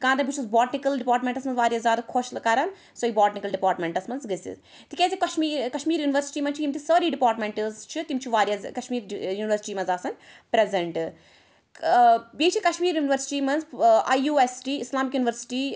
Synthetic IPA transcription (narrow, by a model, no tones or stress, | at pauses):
kãːt̪ɐbut͡ʃʰuzbaːʈnikɐlɖipaːɾʈmẽɳʈɐsmɐnzʋaːɾijaːzʲjaːd̪ɐkʰoʃlɐkaɾɐn | soːjibaːʈnikɐlɖipaːɾʈmẽɳʈɐsmɐnzɡɐsḭ | t̪ikʲeːzikɐʃmiːkɐʃmiːɾjuːniʋɐɾsi̥ʈiːmɐnt͡ʃʰiimt̪ʰisəːɾiːɖipaːɾʈmẽɳʈɐzt͡ʃʰit̪imt͡ʃʰiʋaːɾjɐzkɐʃmiːɾjuːniʋəɾsi̥ʈiːmɐnzaːsɐn | pɾezeɳʈ | biːt͡ʃʰikɐʃmiːɾjuːniʋɐɾsi̥ʈiːmɐnzajuːesʈiːislaːmikjuːniʋəɾsi̥ʈiː